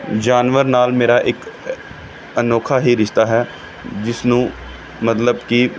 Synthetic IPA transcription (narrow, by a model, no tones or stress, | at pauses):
d͡ʒaːnʋəɾnaːlmeːɾaːʔɪk | ənoːkʰaːɦiːɾɪʃt̪aːɦɛː | d͡ʒɪsnũː | mət̪ləbki